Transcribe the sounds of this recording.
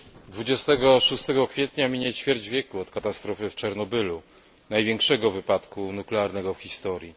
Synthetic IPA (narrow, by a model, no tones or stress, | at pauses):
d̪vud͡ʑɛst̪ɛɡɔʂust̪ɛɡɔkfʲjɛt̪ɲamʲiɲɛt͡ɕfʲjɛɾd͡ʑvʲjɛkuɔt̪kat̪ast̪ɾɔfɘft͡ʂaɾnɔbɘlu | najvʲjɛŋkʂɛɡɔvɘpat̪kunuklɛaɾnɛɡɔfxʲist̪ɔɾʲji